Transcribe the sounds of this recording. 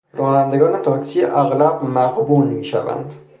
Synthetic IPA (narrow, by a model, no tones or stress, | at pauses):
ɾɒːnænd̪e̞ɡɒːne̞t̪ʰɒːksiːeʔæɣlæbmæʁbuːnmiːʃæ̰væ̰nd̪